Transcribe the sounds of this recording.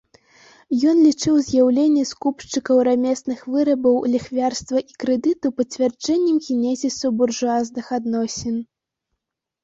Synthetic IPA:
jɔnlʲit͡ʂɨwzʲjawlʲenʲːɛskupʂt͡ʂɨkɐwɾamʲɛsnɨxvɨɾɐbɐwlʲixvʲarst̪vɐʔikɾɛd̪ɨt̪upɐt͡sʲvʲard͡ʐɛnʲːɛmɣʲinʲɛzʲisɐburʐuaznɨxad̪nɔsʲɛn

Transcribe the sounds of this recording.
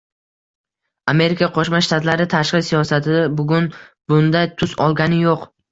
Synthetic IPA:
ame̞ɾɪkʰaqʰoʃmaʃt̪at̪ʰlaɾɪt̪ʰaʃqɪsijɒsat̪ʰɪd̪abʊɡʲʊnb̥ʊnd̪ajt̪ʰʊsɒlˠɡʲanɪjoq

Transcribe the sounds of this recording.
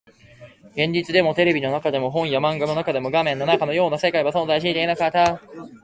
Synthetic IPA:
ɡẽ̞ɲ̟d͡ʑit͡sɨd̪e̞mo̞t̪e̞ɾe̞bʲino̞nakad̪e̞moɦõ̞ɰ̃jamãŋɡano̞nakad̪e̞mo̞ɡamẽ̞nːo̞nakano̞jo̞ːnase̞kaiβasõ̞nzaiɕ̬it̪einakat̪ːa

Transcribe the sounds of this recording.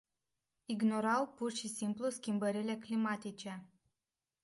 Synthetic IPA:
iɡno̞ɾawpurʃisimpluskʲimbəɾile̞klimat̪it͡ʃe̞

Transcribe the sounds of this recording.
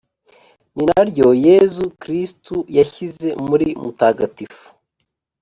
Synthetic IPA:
ninaɾɟoje̞zukɾistujaçize̞muɾimutaːɡatifu̥

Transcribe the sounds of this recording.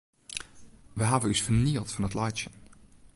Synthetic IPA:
ʋəɦaːvəysfəɹniːlˠtfɑnətlɑjʃən

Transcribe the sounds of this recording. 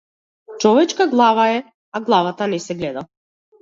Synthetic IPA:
t͡ʃɔvɛt͡ʃkaɡlˠavaɛ | aɡlˠavat̪anɛsɛɡlɛd̪a

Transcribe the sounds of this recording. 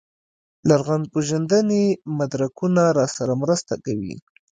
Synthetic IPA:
laɾɣan̚poʒand̪ənemad̪ɾakunaɾɑsaɾamɾəst̪a̰kawḭ

